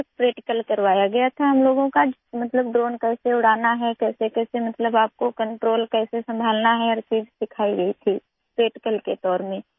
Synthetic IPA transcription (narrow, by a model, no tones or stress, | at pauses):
spɾeːʈkəlkɐɾʋaːjaɡɐjat̪ʰaɦɐmloːɡõkamɐt̪ləbɖɾoːnkɛːseʊɽ̤aːnaɦɛkɛːsekɛːsemɐt̪ləbaːp̚kokə̃ɳʈɾoːlkɛːsesɐ̃mbʱaːlnaɦɛɔːɾt͡ʃiːd͡ʒsɪkʰaːiɡɐit̪ʰiː | pɾeːʈɪkəlket̪ɔːɾmẽ